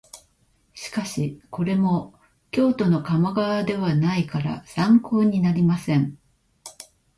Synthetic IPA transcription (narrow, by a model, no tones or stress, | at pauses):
ɕi̥kaɕiko̞ɾe̞mo̞ | kʲo̞ːt̪o̞no̞kamaɡaad̪e̞β̞anaikaɾa̰sãŋko̞ːɲ̟inaɾʲimasẽ̞ŋ